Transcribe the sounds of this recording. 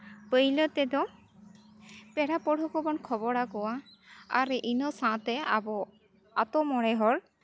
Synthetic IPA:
pəjlət̪ɛd̪ɔ | pɛɽapɔɽ̤ʱɔkɔbɔnkʰɔbɔɽakɔwaa̰ɾʔinɔsãt̪ɛabɔ | at̪ɔmɔɽɛɦɔɾ

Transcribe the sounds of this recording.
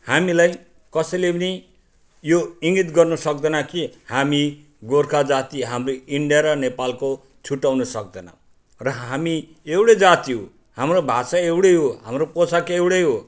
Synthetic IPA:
hamilaj | kʌsʌlepni | joiŋɡit̪ɡʌrnʌsʌk̚d̪ʌnakihami | ɡorkʰad͡zat̪iɦamroiɳɖijaɾʌnepalko | t͡sʰuʈːawnʌsʌk̚d̪ʌna̰ | rʌɦami | ewɽed͡zat̪iɦo | hamrobʱasaewɽeɦoɦa̰mroposakeewɽejɦo

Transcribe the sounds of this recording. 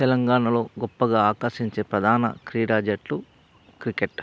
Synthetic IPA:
t̪ɛlɐŋɡaːɳɐlo̞ːɡɔpːɐɡaːaːkɐɾʃiɲt͡ʃe̞ːpɾɐd̪ʱaːnɐ̰kɾiːɽaːd͡ʒɐʈlu | kɾikeʈ

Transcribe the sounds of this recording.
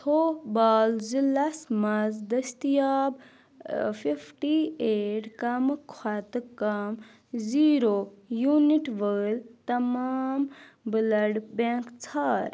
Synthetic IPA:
tʰoːbaːlzilɐsmɐzd̪ɐst̪ijaːb | fʰifʰʈieːʈkɐmɨkʰat̪ɨkɐm | ziːɾojuniʈʋəlt̪ɐmaːm | bɨlɐɖbẽŋkt͡sʰaːɾ

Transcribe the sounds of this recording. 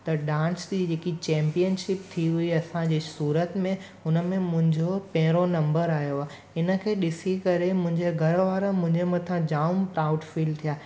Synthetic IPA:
t̪ɐɗãːnsd͡ʑid͡ʑeːkit͡ɕɛ̃ːmpijənʃɪp̚t̪ʰiɦʊiɐsãd͡ʑeːsuːɾət̪mẽ | ʊnə̆mẽmʊ̃ɦɪ̃ɲd͡ʑopɐ̃ɦɪ̃ɾonɐ̃mbəɾaːɦjoaːɦ | ɪnə̆kʰeːɗɪsikɐɾemʊ̃ɦɪ̃ɲd͡ʑeɡʱɐɾʋaːɾəmʊ̃ɦɪ̃ɲd͡ʑemɐt̪ʰãd͡ʑaːʊmpɾaːʊɖfiːlt̪ʰijaː

